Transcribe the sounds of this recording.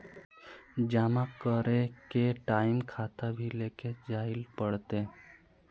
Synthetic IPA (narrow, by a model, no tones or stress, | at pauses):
d͡ʒaːmakəɾekeʈaːɪmkʰaːt̪abʱileːked͡ʒaːɪlpəɽt̪e